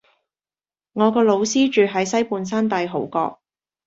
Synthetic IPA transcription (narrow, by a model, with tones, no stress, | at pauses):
ŋɔː˨˧kɔː˧lo˨˧wsiː˥t͡ʃyː˨ɦɐ˨˥jsɐ˥jpuː˧ns̬aː˥nt̪ɐ˧jɦo˨˥wkɔ̰ː˧k̚